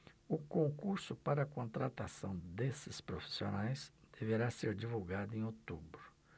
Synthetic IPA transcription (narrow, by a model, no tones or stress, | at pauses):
ʊkõŋkuɾsʊpaɾɐkõnt̪ɾat̪asɐ̃w̃d̪esɪspɾofi̥sio̰najsd̪̥eveɾaseɾd͡ʒivuwɡad̪ʊẽj̃ot̪ubɾʊ